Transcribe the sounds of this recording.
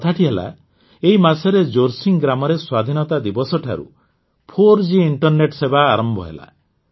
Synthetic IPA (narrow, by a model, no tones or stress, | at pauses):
ɔt̪ʰaʈʰiɦela̰ | eɦimasɔɾed͡ʒoɾsiŋɡɾamɔɾeswad̪ʱinɔt̪ad̪ibɔsɔʈʰa̰ɾṵ | pʰoɾd͡ʒiːɳʈɔɾneʈsebaːɾɔmbʱɔ̰ɦḛla̰